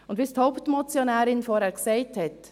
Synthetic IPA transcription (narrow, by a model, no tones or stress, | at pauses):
ʊndʋisthoʊptmɔt͡sjonɛːɾɪnfɔːɾhɛːksɛɪthɛt